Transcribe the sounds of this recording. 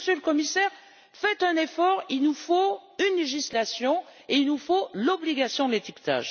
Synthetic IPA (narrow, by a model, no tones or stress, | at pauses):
søləkɔmisɛʁ | fɛt̪ɛ̃nefɔʁilnufoynleʒislasjɔ̃eilnufolɔbliɡasjɔ̃d̪əlet̪ikt̪a̰ʒ